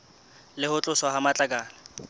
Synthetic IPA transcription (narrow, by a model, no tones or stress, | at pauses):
lɪhʊt͡ɬʼʊswaɦamat͡ɬʼakʼaːla